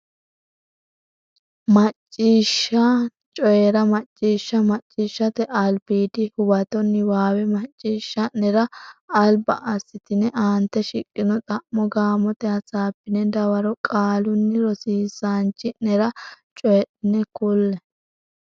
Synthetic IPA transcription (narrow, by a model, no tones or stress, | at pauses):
mɐt͡ʃʼːiːʃːɐ | t͡ʃʼɔjɛɾɐmɐt͡ʃʼːiːʃːɐmɐt͡ʃʼːiːʃːɐt̪ɛʔɐlbiːd̪ɪhʊbɐt̪ɔnːɪwaːwɛmɐt͡ʃʼːiːʃːɐnɛɾɐɐlbɐʔɐsːɪt̪ɪnɛʔaːnt̪ːɛʃɪkʼːɪnɔt̪ʼɐʔmɔɡaːmɔt̪ɛɐt͡sʼaːpːɪnɛd̪ɐwɐɾɔkʼaːlʊnːɪɾɔsiːsaːnt͡ʃːɪnɛɾɐt͡ʃʼɔjɛɗɪnɛkʊlːɛ